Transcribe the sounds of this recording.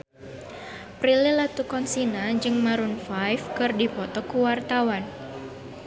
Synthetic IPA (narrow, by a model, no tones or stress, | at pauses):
pɾilɪlat̪ukɔnsinad͡ʒɨŋmaɾunfajfkɨrdipɔt̪ɔkuwart̪awan